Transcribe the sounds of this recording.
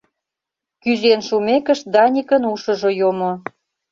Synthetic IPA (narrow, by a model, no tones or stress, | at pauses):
kyzenʃumekə̆ʃd̪ɑnʲikənuʃə̆ʒojomo